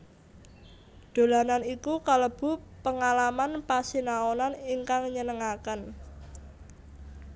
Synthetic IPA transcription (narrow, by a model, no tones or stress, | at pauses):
d̪̥o̤lananikukaləb̥ṳpəŋalamanpasinaonaniŋkaŋɲənəŋakən